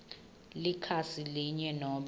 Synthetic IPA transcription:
likʰasiliɲɛnɔːɓ

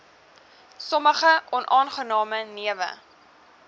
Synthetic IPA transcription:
sɔməχəʔɔnʔɑːnχənɑːməniəvə̰

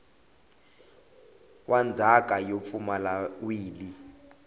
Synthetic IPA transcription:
wʔand͡zʱak̬ʼajop̪fumalawiːli

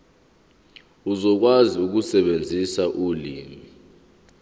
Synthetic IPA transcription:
uzɔk̬waziuk̬usɛɓend͡zʱisaʔulḭːmi

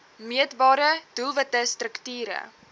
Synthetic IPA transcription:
miətbɑːɾəd̥ulˠvətəstrəktiːɾə̰

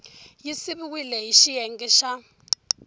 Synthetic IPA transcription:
jisiβiwilɛɦiʃijɛŋɡiʃa

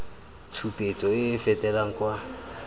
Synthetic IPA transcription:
t͡sʰupʼet͡sʼɔɪfɛtʼɛlaŋ̩kwa

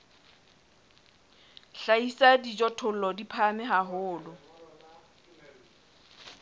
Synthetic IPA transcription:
ɬaisadid͡ʒɔtʰʊl̩lɔdipʰamɪɦaɦʊːlʊ

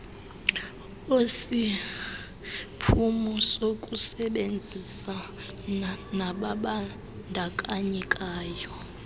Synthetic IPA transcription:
osi | pʰumɔsokʼusɛɓend͡zʱisa | naɓaɓa | ndʱakʼaɲɛkʼaːjɔ

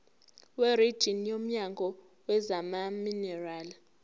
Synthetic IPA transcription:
werid̥ʒ̥ʱinjom̩ɲaŋɡʱɔ | wɛzamaminɛraːli

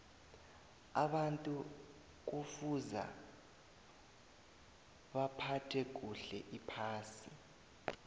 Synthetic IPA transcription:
aɓantʼu | k̬ufuza̰ | βapʰatʰɛk̬uɬɛʔipʰaːsi

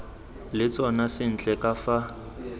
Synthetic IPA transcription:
lɪt͡sʼɔnasɪn̩t͡ɬʼɛkʼafa

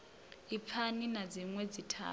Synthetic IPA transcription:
ipʰaninad͡ziŋwed͡zitʰa̰ː

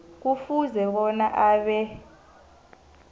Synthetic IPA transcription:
k̬ufuzɛk̬ɔnaʔaːɓɛ

